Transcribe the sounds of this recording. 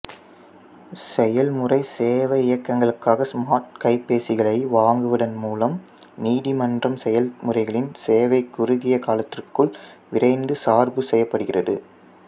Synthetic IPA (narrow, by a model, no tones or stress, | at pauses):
sɛjɐlmɯrɐɪseːʋɐɪjɐkːɐŋɡɐɭɯkːaːɣɐsmaːʈ̚kɐɪpːeːsɪɣɐɭɐɪʋaːŋɡɯʋɪɽɐnmuːlɐm | niːðimɐndrɐmsɛjɐlmʊrɐɪɣɐɭɪnseːʋɐɪkːʊrʊɣɪjɐkaːlɐt̪ːɪrkːɯɭ | ʋɪrɐɪnd̪ɯsaːɾbɯsɛjːɐpːɐɽɯɣɪrɐðɯ̰